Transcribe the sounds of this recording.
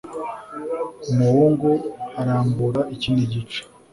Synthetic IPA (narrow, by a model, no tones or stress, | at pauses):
umuhoːŋɡo̞aɾaːmbuɾaʔiciːndiɟit͡ʃe̥